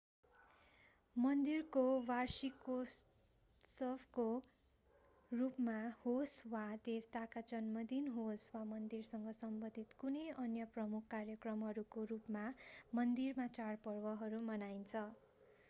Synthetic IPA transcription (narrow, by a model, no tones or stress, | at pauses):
mʌnd̪irkowarsiko | sʌbʰko | rupmahoswad̪est̪akad͡zʌnmʌd̪inɦoswamʌnd̪irsʌŋɡʌsʌmbʌnd̪ʱit̪kunʌjʌnjʌprʌmukʰkarjʌkrʌmɦʌɾukorupmamʌnd̪irmat͡sarpʌrwʌɦʌɾumʌnaint͡sʰʌ